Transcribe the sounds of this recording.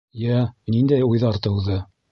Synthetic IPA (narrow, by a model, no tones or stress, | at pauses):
jænind̪æjujðɑɾt̪ɤ̆wðɤ